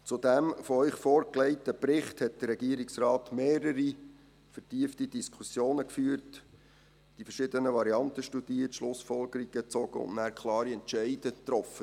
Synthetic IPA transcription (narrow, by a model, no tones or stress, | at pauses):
t͡sud̥æmfɔœʏχfɔːɾklɛɪtəpɾɪχthɛt̚d̥ərɾɛɡiːɾiksrɑːtmeːɾəɾi | fəɾtiəftid̥iskʰusjoːnəkfyːəɾt | d̥ifəɾʃɪdənəʋɑɾiɑntəʃtud̥iətʃlʊsfɔlɡəɾiɡ̥ət͡sɔɡ̥əʊ̰nnæːɾkʰlˠɑːɾiɛntt͡ʃɛɪd̥ət̪ɾɔfə